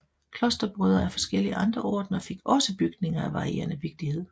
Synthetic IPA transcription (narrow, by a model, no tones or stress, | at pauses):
kʰlɒ̽sd̥ɐb̥ʁœðˠɐæfɒ̽sɡ̥el̰iəʔɑ̈nd̥ʁɐɒ̰ːd̥nɐfe̝ɡ̥ɒ̽səb̥yɡ̥ne̝ŋɐæʋɑ̈ʁie̝̰ːɐnəʋe̝ɡ̥̚d̥ihe̝ð̞̰ˠ